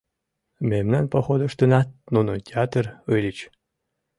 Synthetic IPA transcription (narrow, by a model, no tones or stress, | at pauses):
mʲemnanpoxod̪əʂt̪ɨnat̪nunotʲeat̪rɨjlʲit͡ɕ